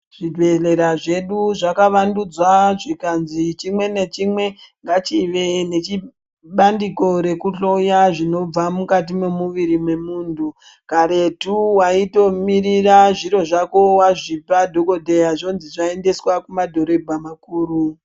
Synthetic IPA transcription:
ʐ̥idʱwe̞le̞ɾaʐe̞ɗuʐakaʋandud͡zwaʐikanzit͡ʃimwe̞ne̞t͡ʃimwe̞ŋɡat͡ʃiʋene̞t͡ʃi | ɓandiko̞ɾe̞kuɬojaʐino̞b͡vamukat̬imemuʋiɾimwe̞muːndu | kaɾe̞tuwaito̞miriraʐiɾo̞ʐako̞waʐipadʱo̞ko̞dʱejaʐo̞nziʐae̞nde̞swakumadʱo̞ɾo̞bʱamakuːru

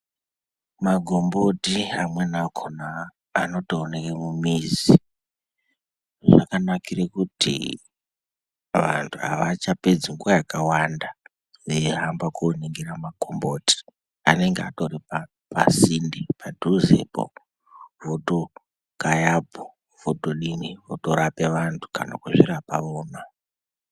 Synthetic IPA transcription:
maɡʱombo̞tiamwe̞nakʰonaː | no̞toonekemumizi | ʐa̰kanakirekutḭ | ʋa̰ntʰuɦa̰ʋat͡ʃaped͡ziŋɡuwajakawanda | ʋeɦambakoneŋɡeramakombo̞ti̥ | ane̞ŋɡeatoripa | pasindipadʱuzḛbo̰ | voto | kajabʱo | v̥otoɗinivoto̞ɾape̞ʋantʰu̥ka̰na̰kuʐiɾapaʋoːna

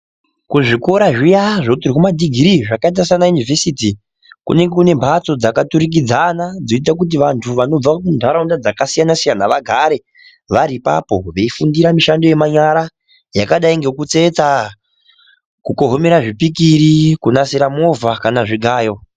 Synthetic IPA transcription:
kuʐiko̞ɾaʐijaʐotirikumadʱiɡʱiɾiʐakait̬asanajunivesiːti | kṵne̞ŋɡe̞kune̞mbʱat͡so̞d͡zakatuɾik̬id͡zanad͡zoit̬ak̬ut̬iʋantʰuʋano̞b͡vakundʰʱaɾaundad͡zakasijanasijanaʋaɡʱaɾe̞ | ʋaɾipa̰po̞ʋe̞ifundiɾamiʃando̞je̞maɲaɾa | jakaɗaiŋɡe̞kut͡se̞t͡sa | kuko̞ɦomeɾaʐipikiɾikunasiɾamo̞vakanaʐiɡʱaːjo̞

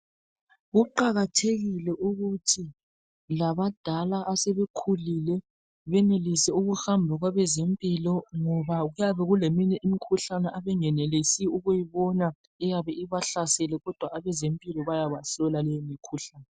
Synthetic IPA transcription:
ɣuǃaɣatʰeɣilɛʔuɣutʰi | laβad̥ʱalaʔasɛβekʰulilɛ | βɛnelisɛuɣuhambʱaɣwaβɛzempʼilɔŋɔβaɣujaβɛɣuleminɛʔimikʰuɬanɛʔaβɛŋɛnɛlesiuɣujiβɔna | ɛjaβɛiβaɬasɛlɛɣɔd̥ʱwaːβɛzempʼilɔβajaβasɔlalɛjimikʰuɬaːnɛ

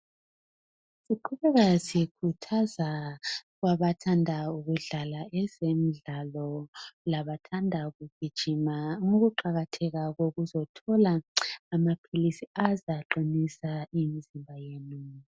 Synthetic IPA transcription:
siǃʰuβɛɣazikʰutʰaza | ɣwaβatʰandʱauɣuɮalaʔɛzemiɮalɔlaβatʰandʱaɣub̥ʱid̥ʒ̥ʱimaŋoɣuǃaɣatʰɛɣaɣoɣuzɔtʰɔlaːmapʰilisiazaǃinisaimizimbʱajeːnu

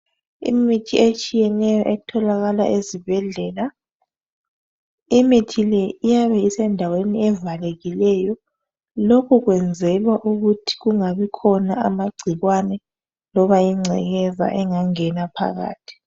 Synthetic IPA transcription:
ḭmitʰiet͡ʃʼijɛnɛjɔʔɛtʰɔlaɣala̰ʔezibʱɛɮɛla | imitʰilɛijaβɛisɛndʱaweniɛvaleɣilɛjɔ | lokʰuɣwɛnd͡zʱɛlwaʔuɣutʰi̥ɣuŋaβikʰɔnaamaɡ͡ǀʱiɣwanɛ | lɔβajiŋ͡ǀʱɛɣɛza̰ʔɛŋaŋɛnapʰa̰ɣa̰ːtʰi̥

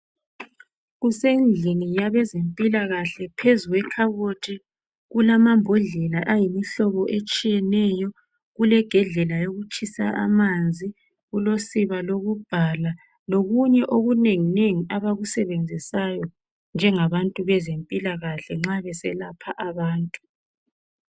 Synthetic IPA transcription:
ɣusend͡ɮʱinijaβɛzempʼilaɣaɬɛpʰezuɣwɛkʰaβotʰi | ɣulamambʱɔɮɛlaʔajimiɬɔβɔʔet͡ʃʼijɛnɛjɔ | ɣulɛɡ̥ʱɛɮɛlajoɣut͡ʃʼisaa̰mand͡zʱi | ɣulosiβaloɣub̥ʱala | loɣuɲɛʔoɣuneŋineŋiaβaɣusɛβend͡zʱisajɔ | nd͡ʒʱɛŋaβantʼuβɛzempʼilaɣaɬɛŋ͡ǁaβɛsɛlapʰaʔaβaːntʼu̥

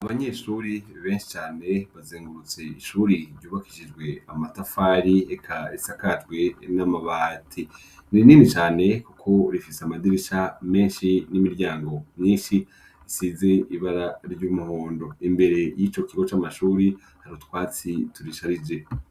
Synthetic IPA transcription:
aβaɲe̞ʃuːɾiβe̞ːnʃi̥t͡ʃaːne̞βazeːŋɡuɾut͡se̞iʃuːɾiɾɟuːβaki̥ʃid͡ʒɡwe̞amatafaɾiekʰaisakatɡwe̞namaβaːtʰi | niiniːnit͡ʃaːne̞kukʰo̞ɾifiseamadiɾiʃame̞ːnʃinimiɾɟaːŋɡo̞mɲiːnʃi | isize̞iβaɾaɾɟuːmuhoːndo̞imbe̞ɾe̞jiːt͡ʃo̞kiɡo̞t͡ʃamaʃuːɾi | haɾutwaːt͡situɾiʃaɾid͡ʒe̞

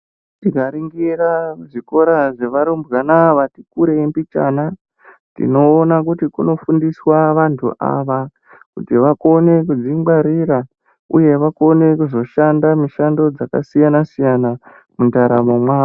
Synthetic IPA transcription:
tikaɾiŋɡiraʐiko̞ɾaʐe̞ʋaɾumbɣanaʋatikuɾempit͡ʃa̰ːna | tḭno̞ːnak̬utikuno̞fundiswaʋantʰṵʔa̰ʋa | kutiʋako̞ne̞kud͡zimɡaɾiɾa | ṵje̞ʋako̞ne̞kuzo̞ʃandamiʃando̞d͡zaka̰sijanasijana | mundaɾamomwaːa

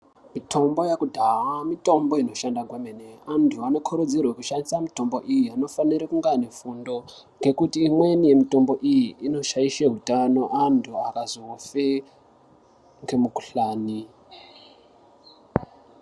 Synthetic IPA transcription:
mitʰo̞mbo̞jakudʱawamito̞mbo̞ino̞ʃandaɡʱwemeneantʰuano̞kʰoɾod͡zirwekuʃandisamito̞mbo̞ʔijiano̞faniɾekuŋɡane̞fundo̞ | ŋɡe̞kutiːmwe̞nije̞mito̞mbo̞ʔijiʔino̞ʃaiʃeɦutano̞ʔantʰuakazofe | ŋɡe̞muku̥ɬaːni

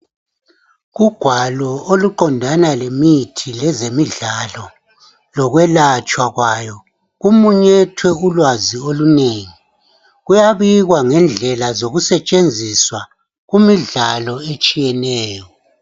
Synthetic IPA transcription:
ɣuɡ̥ʱwalɔoluǃɔndʱanalemitʰilɛzemiɮalɔ | lɔɣwɛlat͡ʃʼwaɣwajɔ | ɣumuɲɛtʰwɛulwazioluneːŋi | ɣujaβiɣwaŋɛnd͡ɮʱɛlazoɣusɛt͡ʃʼend͡zʱiswa | ɣumiɮalɔet͡ʃʼijɛnɛːjɔ

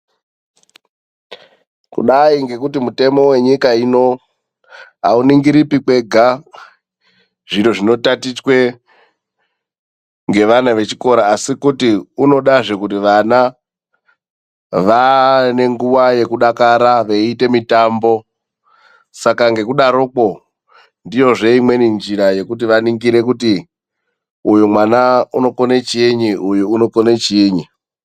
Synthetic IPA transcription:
kṵɗaiŋɡe̞kutimute̞mo̞we̞ɲikaino̞ | ɦauniŋɡiɾipike̞ɡʱa | ʐiɾo̞ʐino̞tatit͡ʃwe̞ | ŋɡe̞ʋanaʋe̞t͡ʃiko̞ɾaːsikutiuno̞ɗaʐe̞kutiʋana | ʋane̞ŋɡuʋaje̞kuɗakaɾaʋeite̞mitambo̞ | sakaŋɡe̞kuɗaɾoko̞ | ndijo̞ʐe̞imwe̞nind͡ʒiɾaje̞kutiʋaniŋɡiɾe̞k̬uti | ujumwanauno̞konet͡ʃiɲiʔujuuno̞konet͡ʃiːɲi

